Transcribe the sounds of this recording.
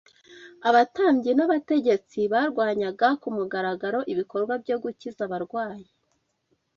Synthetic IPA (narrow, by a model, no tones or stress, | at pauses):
aβataːɲɟienaβate̞ɟe̞t͡siβaɾɡwaːɲaɡakumuɡaɾaɡaɾo̞ʔiβiko̞ɾɡwabɟo̞ɡucizaβaɾɡwaːɲe